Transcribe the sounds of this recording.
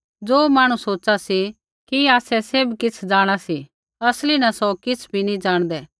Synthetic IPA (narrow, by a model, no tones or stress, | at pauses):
d͡zoːmaːɽ̃usoːt͡ʃasi | kiaːsɛsebkɪt͡sʰd͡ʒaːɽ̃asi | ɐslinɐsɔkɪt͡sʰbʱinĩd͡ʒaːɽ̃d̪ɛː